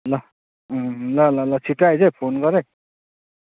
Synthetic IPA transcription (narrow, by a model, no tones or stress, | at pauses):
lʌ | lʌlʌlʌt͡sʰikajd͡zepʰonɡʌɾe